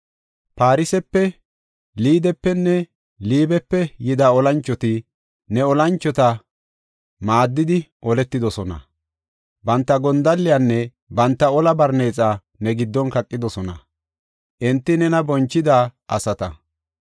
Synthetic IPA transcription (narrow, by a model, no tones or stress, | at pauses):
paːɾɪsɛpːɛ | liːd̪ɛpːɛnːɛ | liːbɛpːɛjɪd̪aːɔlɐnt͡ʃːɔt̪ɪ | nɛɔlɐnt͡ʃːɔt̪ɐ | maːd̪ːɪd̪ɪʔɔlɛt̪ːɪd̪ɔsɔnɐ̰ | bɐnt̪ːɐɡɔnd̪ɐlːɪjanːɛ | bɐnt̪ːɐɔlɐbɐɾne̞ːt͡sʼa | nɛɡɪd̪ːɔnkɐkʼːɪd̪ɔsɔnɐ̰ | ʔɛnt̪ːɪnɛnɐbɔnt͡ʃːɪd̪aʔɐsɐt̪ɐ